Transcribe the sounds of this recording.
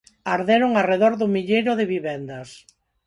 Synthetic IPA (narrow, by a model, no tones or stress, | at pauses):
aɾðeɾʊŋareðɔɾðʊmiʎejɾʊðɪβiβɛnd̪ɐs